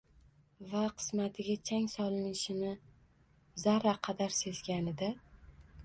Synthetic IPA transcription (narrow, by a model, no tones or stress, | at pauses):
vaqʰɨ̥smat̪ʰɪɡʲat͡ʃʰaŋsɒlˠɪnɪʃɪnɪ | zaɾaqʰɑd̪aɾse̞zɡʲanɪd̪a